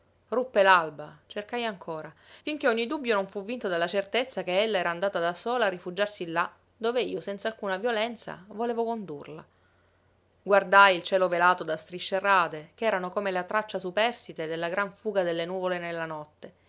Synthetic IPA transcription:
rupːelalbat͡ʃerkajaŋkʰoːɾafiŋk̟eɔɲːid̪ubːjonoɱfuvːint̪od̪alːat͡ʃert̪et̪sːakeelːaɛːɾaːnd̪aːt̪ad̪asoːlaːrːifud͡ʒarsilːa | d̪oːveiːosɛnt̪salkuːnavjolɛnt̪sa̰voleːvokond̪urla̰ | ɡward̪ajilt͡ʃɛːlovelaːt̪od̪ast̪ɾiʃːeraːt̪ekɛːɾanokomelat̪ɾat͡ʃːasupɛrst̪it̪ed̪elːaɡɾaɱfuːɡad̪elːenuːvolenelːanɔt̪ːe

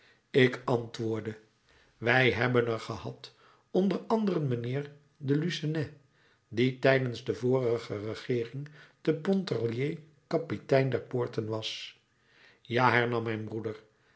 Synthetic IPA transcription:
ɪkɑntʋʊːɹdə | ʋɛjɦɛbənəɹχəhɑt | ɔndərɑndərənmənɪːɹ | dəlysanɛ | ditɛjdənzdəvʊːrəχərəχɪːrɪŋd̥əpɔntɑlje | kɑpitɛjndɛɹpʊːɹtənʋɑs | jaːɦɛɹnɑmːɛjnbrudəɹ

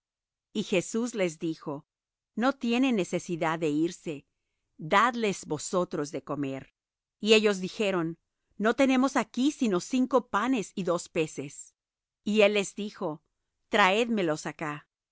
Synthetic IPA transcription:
ixe̞suzle̞zðixo̞ | no̞t̪je̞nenːe̞se̞siðaðe̞iɾse̞ | d̪aðle̞zbo̞so̞t̪ɾo̞zðe̞ko̞me̞ɾ | ie̞ʝo̞zðixe̞ɾo̞nː | o̞t̪e̞ne̞mo̞sakisino̞siŋko̞pane̞siðo̞spe̞se̞s | ie̞lːe̞zðixo̞ | t̪ɾae̞ðme̞lo̞saka

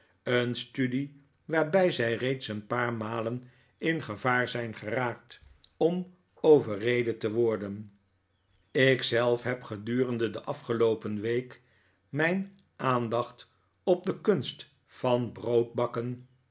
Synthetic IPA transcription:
ənstydi | ʋaːɹbɛjzɛjrejtsənpaːɹmaːlən | ɪnχəvaːɹzɛjnχəraːk̚tɔm | owvərejdətəʋɔɹdən | ɪksɛlˠfɦɛpχədyːrəndədəʔɑfχəlowpənʋejk | mɛjn | ʔaːndɑχt | ɔb̚dəkɵnst | fɑnbrowd̚bɑkən

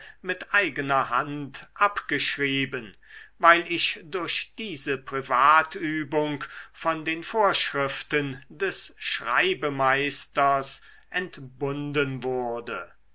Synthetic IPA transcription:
mɪtʔaɪɡənɐha̰ntʔapɡ̥əʃʁiːbənvaɪlɪʃdʊɐʃd̥iːzəpʁ̥ivaːtʰyːbʊŋkfɔndeːnfoːɐʃʁɪftəndɛsʃʁa̰ɪbəmaɪstɐs | ʔɛntb̥ʊndənvʊɐdə

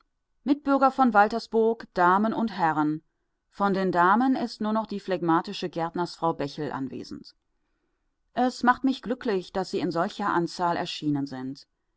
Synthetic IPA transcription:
mɪt̚b̥ʏɐɡɐfɔnvaltɐsb̥ʊɐkd̥aːmənʊnthɛʁən | fɔndeːndaːmənɪstnuːɐnɔχd̥iːflɛɡmaːtɪʃəɡɛɐtnɐsfʁ̥aʊbɛçl̩ʔa̰nvḛːzn̩t | ʔɛsmaχtmɪçɡ̥lʏklɪçd̥asz̥iːɪnzɔlçɐʔant͡saːlɛ̰ɐʃiːnənzɪnt

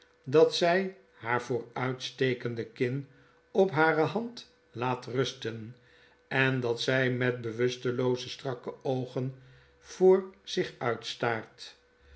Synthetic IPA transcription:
dɑtsɛj | haːɹvʊːɹœɥtstejkəndəkɪn | ɔpɦaːrəɦɑnt | laːtrɵstən | ɛndɑtsɛjmɛt̚bəʋɵstəlowzəstrɑkəowχən | v̥oːɹz̥ɪχœɥtstaːɹt

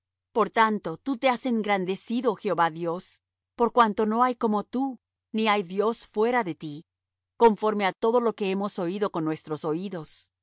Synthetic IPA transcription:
po̞ɾt̪ant̪o̞t̪ut̪e̞ase̞ŋɡɾand̪e̞siðoxeo̞βaðjo̞s | po̞ɾkwant̪o̞no̞ajko̞mo̞t̪u | niajðjo̞sfwe̞ɾaðe̞t̪i | ko̞ɱfo̞ɾme̞at̪o̞ðo̞lo̞ke̞emo̞so̞iðo̞ko̞nːwe̞st̪ɾo̞so̞iðo̞s

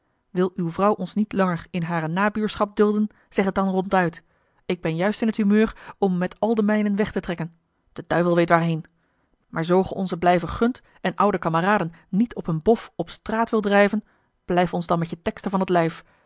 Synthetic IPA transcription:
ʋɪlˠywvrʌwʔɔnsnitlɑŋəɹɪnɦaːrənaːbyːɹsχɑp̚dɵlˠdən | z̥ɛχət̚dɑnrɔntœɥt | ɪɡ̚bɛnjœɥstɪnɦəthɦymøːrɔmːɛtɑlˠdəmɛjnənʋɛχtətrɛkən | d̥əd̥œɥvəlˠʋejtʋaːɹɦejn | mʔaːɹzowχəʔɔnzəblɛjvəχɵnt | ɛnʔʌwdəkɑməraːdənːitʰɔpənbɔfɔpstraːtʋɪlˠdrɛjvən | b̥lɛjftɔnzdɑnmɛtjətɛkstəvɑnətlɛjf

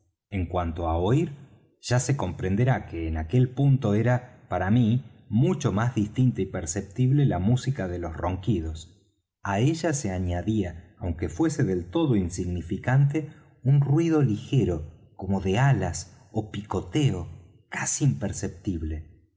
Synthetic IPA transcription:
eŋkwant̪o̞aoiɾ | ʒ̥ase̞ko̞mpɾend̪eɾakeːnake̞lpunt̪o̞e̞ɾapaɾamimut͡ʃo̞mazðist̪int̪aipeɾsep̚t̪iβle̞lamusikaðe̞lo̞sro̞ŋkiðo̞s | aeʒaseaɲaðiaːwŋke̞fwe̞se̞ðe̞lt̪o̞ðo̞insiɣnifikant̪̬e̞ | unrwið̞o̞lixe̞ɾo̞ko̞mo̞ðealas | opiko̞t̪eo | kasiːmpeɾsep̚t̪iβle̞

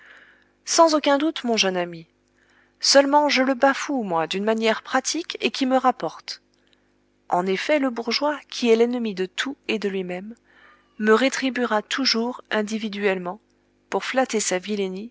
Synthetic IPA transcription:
sɑ̃zokʲɛ̃d̪ut̪mɔ̃ʒœnami | sœlmɑ̃ʒələbafumwad̪ynmanjɛʁpχat̪ʰikekʲiməʁapɔʁt̪ | ɑ̃nefɛləbuʁʒwakʲʰiɛlɛnəmid̪ət̪ʰued̪əlɥimɛmː | əʁet̪χibiʁat̪ʰuʒuʁɛ̃d̪ivid̪ɥɛlmɑ̃ | puʁflat̪esavileni

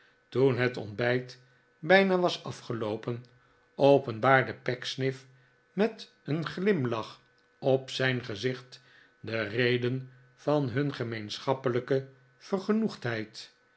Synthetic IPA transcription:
tunɦətɔ̰ndbɛjt | bɛjnaʋɑsɑfχəlowpən | owpənbaːɹdəpɛksnɪf | mɛt | ənχlɪmlɑχ | ɔpsɛjnχəzɪχt | dərejdən | v̥ɑnɦɵnχəmejnsχɑpələkə | v̥ərχənuχtɦɛjt

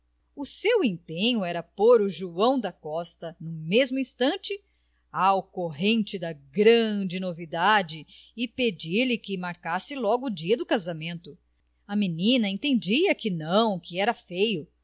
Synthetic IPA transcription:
ʊsewẽpẽɲʊɛɾɐpoɾʊʒuɐ̃w̃d̪ɐkɔst̪ɐnũmezmʊĩst̪ɐ̃nt͡ʃɪ | awkoɦẽnt͡ʃɪd̪ɐɡɾɐ̃d͡ʒɪnovid̪ad͡ʒɪɪped͡ʒiɾlɪkɪmaɾkasɪlɔɡʊːd͡ʒiɐd̪ʊkazɐmẽnt̪ʊ | ɐminĩnɐẽnt̪ẽnd͡ʒiɐkɪnɐ̃w̃kɪɛɾɐfejʊ

